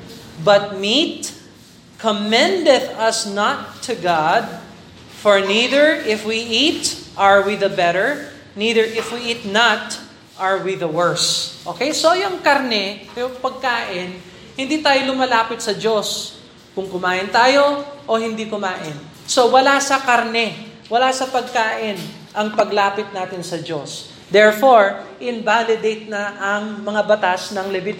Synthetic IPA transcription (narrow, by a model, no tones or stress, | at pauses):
bɐt̪̚mit̪̚ | kʰomɛ̃nd̪ɛt̪ɐsnɐt̪ʰːʊɡad̪̚ | fɔɹniðɛɹʔɪfwiʔit̪ʔɐɹwiðɐbɛɾəɹ | niːðəɹʔɪfwiʔiːt̪nɐt̪ | ʔɐɹwiðɐwɛɹsʔoːkejsojʊŋkɐɾnɛjʊŋpɐɡ̚kaːʔɪn | hɪnd̪iːt̪aːjolʊmɐlaːpɪt̪̚sɐd͡ʒos | kʊŋkʊmaːʔɪnt̪aːjo̞ʔohɪnd̪ikʊmaːʔɪn | so̞wɐlasɐkaɾnɛ | wɐlasɐpɐɡ̚kaːʔɪn | ʔɐŋpɐɡlaːpɪt̪̚naːt̪ɪnsɐd͡ʒos | d̪ɛɹfoɹʔɪnvalɪd̪ejt̪̚nɐʔɐŋmɐŋabɐt̪asnɐŋlɛbɪt̪